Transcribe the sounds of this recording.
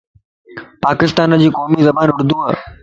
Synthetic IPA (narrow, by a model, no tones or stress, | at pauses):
paːkɪst̪aːnəd͡ʑiːkoːmizɐbaːnʊɽd̪uːɦa̰ː